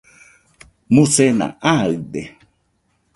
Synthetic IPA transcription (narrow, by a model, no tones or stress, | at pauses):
mũsena̰ʔaɯd̪e